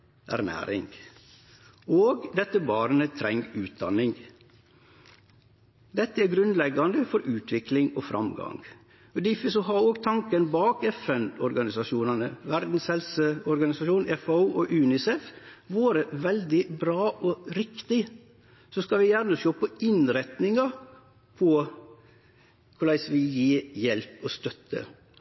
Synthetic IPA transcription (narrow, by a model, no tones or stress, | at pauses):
ʔæ̰ɾnæ̰ːɾɪ̰ŋ | oːɡd̪ɛt̪ːəbɑːɾənət̪ʰɾɛŋɡʉːt̪̚d̪ɑ̰nɪŋ | d̪ɛt̪ːəæːɾɡɾʉnd̪lɛɡɑnd̪əfɔɾʉːt̪ʋɪklɪŋofɾɑ̰mɡɑ̰ŋ | ɔd̪ɪfəsɔɦɑoːɡt̪ʰɑŋkənbɑːkɛfɛnɔɾɡɑnɪsɑʃuːnɑnəʋæɾd̪n̩shɛlsəɔɾɡɑnɪsɑʃuːnɛfɑuːʔɔʔʉːnɪsɛfʋoːɾəʋɛld̪ɪbɾɑːʔɔɾɪkt̪ɪ | sɔskɑlʋɪjæɾnəʃoːpɔɪnɾɛt̪nɪŋɑ | pʰɔ | kʰʊlɭæɪsʋɪjiːjɛlpɔst̪œt̪ːə̰